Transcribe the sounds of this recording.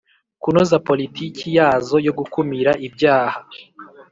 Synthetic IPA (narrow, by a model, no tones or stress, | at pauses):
kunozapo̞litiːkʰijaːzo̞jo̞ɡukumiɾaʔibjaːha